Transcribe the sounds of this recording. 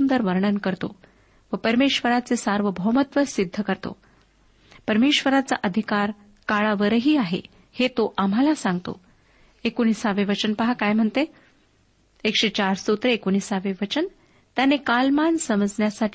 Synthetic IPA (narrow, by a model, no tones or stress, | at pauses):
und̪əɾʋəɾɳənkəɾt̪o̰ | ʋəpəɾmeɕʋəɾat͡sesaɾʋəbʱəɦmət̪ʋəsid̪ʱːəkəɾt̪o̰ | pəɾmeɕʋəɾat͡sa̰ʔəd̪ʱikaɾ | kaɭaʋəɾəɦiːaɦḛ | het̪oʔam̤ɦalasãŋɡt̪o̰ | ekoñisaʋeʋət͡ɕənpəɦakajm̤əɳt̪e | kʂet͡ɕaɾsout̪ɾeekonisaʋeʋət͡ɕən | t̪janekalmansəməd͡zɳjasaʈʰ